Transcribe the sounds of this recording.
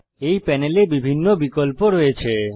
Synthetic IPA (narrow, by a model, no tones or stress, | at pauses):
ejpɛnelebibʱinːobikolpoɾojet͡ɕʰe